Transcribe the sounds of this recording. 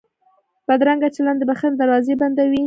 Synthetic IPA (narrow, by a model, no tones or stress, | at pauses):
b̥ad̪ɾaŋɡat͡ʃeland̪əbaxənd̪aɾwɑzeband̪awi